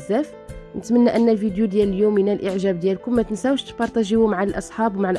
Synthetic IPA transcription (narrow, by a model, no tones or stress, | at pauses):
zːæf | nət̪mənːæʔənːælfid̪jud̪jæləljuminælʔəʕʒæb̚d̪jælkʊmːæt̪ənsæwʃt̪bɑɾˤt̪æʒiwumaʕalʔɑsˤħɑbwmaʕalʔ